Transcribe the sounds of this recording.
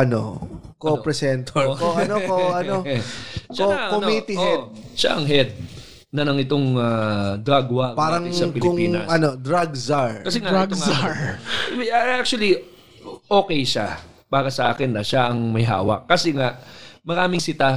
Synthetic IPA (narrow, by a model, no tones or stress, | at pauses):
ʔɐnokoopɾɛsɛnt̪oɾɐnooɐno | ʃokomit̪ɪɛʃa̰ʔɐŋɦɛd̪̚ | nɐnɐŋɪt̪o̞ŋɐd̪ɾaɡwɐpaːɾɐŋsɐpɪlkʊŋpiːɐ̰ʔɐnod̪ɾaɡzaɹkɐsɛŋaʔaɡ̪aɹ | ɐak̚t͡ʃʊɐli | ʔo̞ːkɛjʃa | b̥aːɡɐsɐʔa̰ːkɛnːɐʃaʔɐŋmɐjɦa̰ːwɐ̰ʔːɐsɛŋaʔmɐɾaːmɪŋsɪt̪a